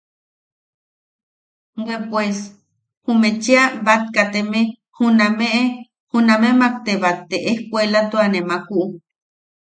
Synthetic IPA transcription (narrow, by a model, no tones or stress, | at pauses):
wepwes | humet͡ʃeabat̪̚kat̪eme | hunameʔe | hunamemak̚t̪eβat̪ːeʔehkʷelat̪uanemakuʔu